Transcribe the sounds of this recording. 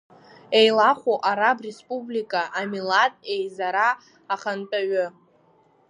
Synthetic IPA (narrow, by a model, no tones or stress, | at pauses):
e̞jlaχʷoʔaɾabre̞spʼublikʼaʔamilatʼe̞jzaɾaː | χantʼaɥʊ